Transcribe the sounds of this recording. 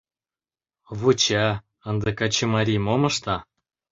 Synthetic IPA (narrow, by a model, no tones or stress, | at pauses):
βut͡ɕæ | ənd̪ĕkɑt͡ɕemɑɾʲimomɤ̆ʃt̪ɑ